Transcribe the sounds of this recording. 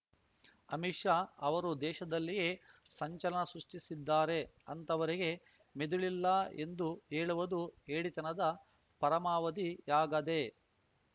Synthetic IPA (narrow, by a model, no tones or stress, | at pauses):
ɐmiʂaɐʋɐɾud̪ɛːʃɐd̪ɐlːije̞ːsɐɲt͡ʃɐlɐnɐsɾuʂʈisid̪ːaːɾe̞ | ɐnt̪ɐʋɐɾiɡe̞ | med̪uɭilːɐe̞̰nd̪uɦeːɭuʋɐd̪ueːɽit̪ɐnɐd̪ɐ | pɐɾɐmaːʋɐd̪ijaːɡɐd̪e̞